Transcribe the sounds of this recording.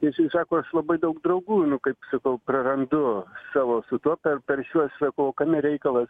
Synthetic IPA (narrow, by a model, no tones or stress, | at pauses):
t̪ɐɪsʲsɑːkoːɐʃlˠɐbɐɪd̪ɐʊk̚d̪ɾɐʊɡuːnʊkɐɪpsɐkɐʊprɐɾɐnd̪ʊsɑːʋoːsʊt̪uɔpʲɛrpʲɛrʃʲuɔsʲʋʲɛkʊʋoːkɐmʲɪɾʲɛɪkɐlˠɐs